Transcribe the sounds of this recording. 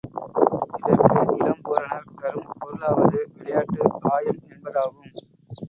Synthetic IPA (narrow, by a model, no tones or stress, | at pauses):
ɪðɐɾkɯʔɪɽɐmpoːɾɐnɐlk̪ɐɾɯmpɔðɯlaːʋɐðɯʋɪɭɐjaːʈːɯaːjɐmɛnbɐðaːɣɯm